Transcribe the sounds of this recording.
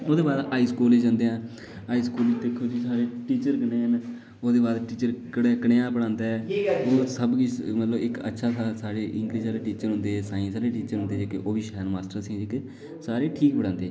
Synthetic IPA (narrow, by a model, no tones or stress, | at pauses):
oːd̪eːbaːd̪aːiːskuːled͡ʒãːnd̪eːãː | aːiːskuːlɪd͡ʒd̪eːkʰːoːd͡ʒiːsaːɾeːʈiːt͡ʃəɾkəneːɦən | oːd̪eːbaːd̪ʈiːt͡ʃəɾkəɽeːkəɽeːãːpəɽãːnd̪aːɛoːsəbɡimət̪ləbɪkə̰tːʃʰaːsaːsaːɽeːʔɪŋɡliːsaːɽeːʈiːt͡ʃəɾɦʊ̃nd̪eːsaːĩsaːɽeːʈiːt͡ʃəɾɦʊ̃nd̪eːd͡ʒeːkeʔoːbiːʃɛːɾmaːsʈəɾsĩːɪk | saːɾeːʈʰiːkbəɽãːnd̪eː